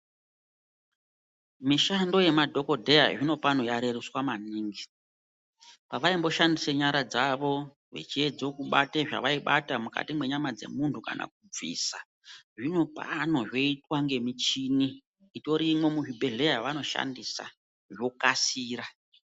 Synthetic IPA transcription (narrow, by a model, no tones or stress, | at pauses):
miʃando̞je̞madʱo̞ko̞dʱe̞ja̰ʐino̞pano̞jaɾe̞ruswamaniːŋɡi | paʋaimbo̞ʃandiseɲaɾad͡zaʋo̞ | ʐḛt͡ʃied͡zokuɓateʐa̰ʋaiɓatamuka̰timwe̞ɲamad͡ze̞̰muntʰuka̰nʔa̰k̚ub͡vḭsa | ʐino̞pa̰no̞ʐo̞itwaŋɡe̞mit͡ʃini | ito̞ɾimo̞muɦibʱeɮe̞jaʋano̞ʃa̰ndisa̰ | ʐo̞kasiːra